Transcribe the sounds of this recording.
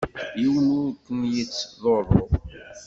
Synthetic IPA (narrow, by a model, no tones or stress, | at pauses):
jiwənʊɾkːənjit͡sːðoɾˤo̰